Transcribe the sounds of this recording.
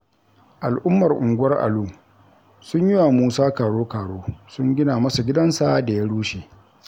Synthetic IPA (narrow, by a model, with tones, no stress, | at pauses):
ʔa˨lʔʊ˦mːɐ˨rʔʊ̰˨ŋɡʷʊ˦wɐ˦rʔa̰˨luː˦˨ | sʊ˦ɲjɪ˦wa˨muː˦saː˦kaː˨ɽoː˦kaː˨ɽoː˦sʊ˦ŋɡʲɪ˦naː˨mɐ˦sa˨ɡʲɪ˦dɐ˦nsa˦da˨ja˦ɽuː˦ʃeː˨